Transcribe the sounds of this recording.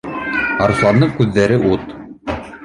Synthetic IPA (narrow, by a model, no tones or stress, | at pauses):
ɑɾuslˠɑnd̪ɤɴkʉðːæɾɘʔut̪